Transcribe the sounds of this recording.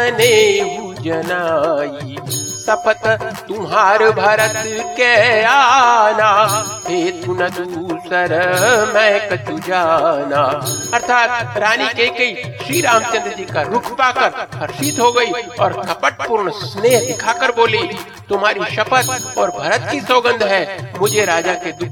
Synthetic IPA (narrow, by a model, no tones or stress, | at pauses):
neɦu | d͡ʒɐnaːisɐpət̪t̪ʊmɦaːɾbʱaːɾət̪kɛanaː | heːt̪unɐd̪usəɾmɛ̃kɐt͡ʃũd͡ʒaːnaːɐɾt̪ʰaːt̪̚ɾaːnikekɐiʃɾiːɾaːmt͡ʃɐ̃nd̪ɾəd͡ʒikaɾʊkʰpaːkəɾpʰɐɾʃit̪ɦoɡɐiɔːɾkɐpəʈ̚pʊɾɳsneːɦd̪ɪkʰakəɾboːli | t̪ʊmɦaːɾiʃɐpət̪ɔːɾbʱɐɾət̪kisoːɡə̃nd̪ʱɦɛmʊd͡ʒʱeɾaːd͡ʒaked̪ʊk